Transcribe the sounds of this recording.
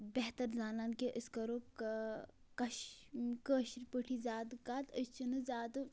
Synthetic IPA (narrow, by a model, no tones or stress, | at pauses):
bɛɦt̪ɐɾzaːnaːnkeʔəskɐɾoː | kɐʃkəːʃiɾpəʈʰizʲaːd̪ɨkaːt̪əst͡ʃinɨzʲaːd̪ɨ